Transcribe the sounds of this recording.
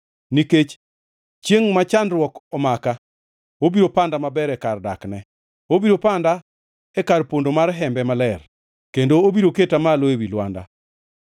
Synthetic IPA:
niket͡ʃ | t͡ʃjeŋmat͡ʃandɾwɔkɔmaka | obiɾopandamabɛɾɛkardaknɛ | obiɾopanda | ɛkarpondomarɦɛmbɛmalɛr | kendoːbiɾoketamaloewilwanda̰

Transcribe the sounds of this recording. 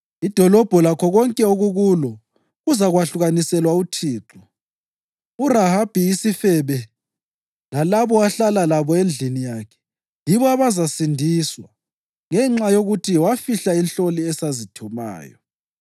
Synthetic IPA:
id̥ʱɔlɔb̥ʱɔlakʰɔɣɔŋkʼɛoɣuɣulɔ | ɣuzaɣwaɬuɣanisɛlwautʰiːǁɔ | urahab̥ʱiːsifɛβɛ | lalaβɔwaɬalalaβɔend͡ɮʱinijakʰɛ̥ | jiβɔaβazasindʱiswa | ŋɛŋ͡ǁajoɣutʰiwafiɬainɬoliɛsazitʰuma̰ːjɔ̰

